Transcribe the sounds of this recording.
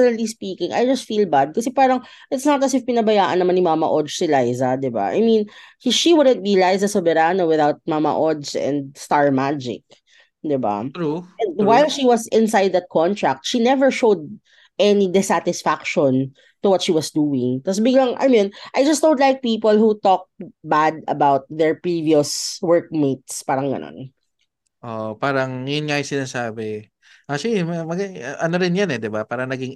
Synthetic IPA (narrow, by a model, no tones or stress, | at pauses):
nɐlispiːkɪ̃ŋʔa̰jd͡ʒɐst̪fiːlbad̪̚kɐsɛpaːɾɐŋ | ʔɪt̪snɔt̪ɐsɪfpɪnɐbɐjaːʔɐ̰nːɐmanɪmamɐ̰ʔɔdd͡ʒsɪlajzɐd̪ɪba̰ʔa̰jmĩnhʃiwʊd̪ə̃nt̪̚bilajzɐsɐbɛɾanowɪðawt̪̚mamɐ̰ʔɔd̪sɛ̰̃nd̪̚st̪aɹmad͡ʒɪ̰k̚ | d̪ɪba̰ʔɛ̃nd̪wajlʃiwɐsɪ̃nsajd̪̚ðɐt̪̚kʰɔnt̪ɹak̚t̪ʃinɛvəɹʃowd̪̚ | ʔɛnid̪ɛsat̪ɪsfakʃɔ̃n | t̪uwɐt̪̚ʃiwɐsd̪uɪ̃ŋt̪as̬bɪɡlɐŋʔɐ̰jmĩnʔajd͡ʒɐst̪õʊ̃d̪lajk̚piːpolhut̪ɔk̚t̚bad̪ɐ̰bawt̪̚ðɛɹpɹiviʊswɜɹk̚met̪̚spaːɾɐŋɡɐ̰no̰n | ʔoʔpaːɾɐŋjʊnŋaːjɪsɪnaːsaːbɛ | ʔat͡ʃlimɐmɐɡaʔɐnoɾɪnjanɛd̪ɪbapaːɾɐnɐɡɪŋ